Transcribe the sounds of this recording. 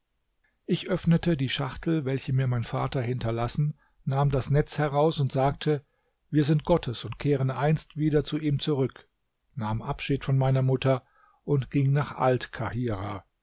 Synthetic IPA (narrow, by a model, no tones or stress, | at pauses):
ʔɪçʔœfnətədiːʃaχtl̩vɛlçəmiːɐmaɪnfa̰ːtɐhɪntɐlasn̩ | naːmdasnɛt͡shɛʁaʊsʊntz̥aːk̚tʰə | viːɐzɪnt̚ɡ̥ɔtʰəsʊntkʰeːʁənʔaɪnstv̥iːdɐt͡suʔiːmt͡suʁʏk | naːmʔapʃiːtfɔnmaɪnɐmʊtʰɐ | ʔʊntɡ̥ɪŋnaːχʔa̰ltkʰahiːʁa